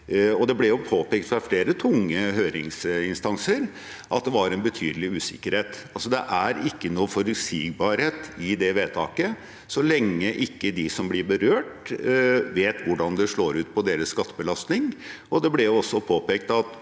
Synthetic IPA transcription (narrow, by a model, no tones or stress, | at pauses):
ɔd̪ɛblɛjʊpʰoːpɛkt̪fɾɑfleːɾət̪ʰʊŋːəɦøːɾɪŋsɪnst̪ɑnsəɾ | ʔɑt̪̚d̪ɛʋɑɾɛnbət̪ʰy̰ːd̪əlɪʉːsɪ̰kːəɾheːt̪ | ɑlsɔd̪ɛ̰ʔæɾɪkːənuːfɔɾʉsiːɡ̚bɑɾheːt̪ɪd̪ɛʋeːt̪ʰɑ̰ːkə | sɔlɛŋːəʔɪkːəd̪ɪsɔmblɪɾbəɾøːʈ | ʋeːt̪ʋʊɖɑnd̪ɛʂɭoːɾʉːt̪pʰɔd̪eːɾəsːkɑt̪ʰːəbəlɑst̪nɪŋʔɔd̪ɛblɛjʊɔsːɔpʰoːpɛk̚t̪ɑt̪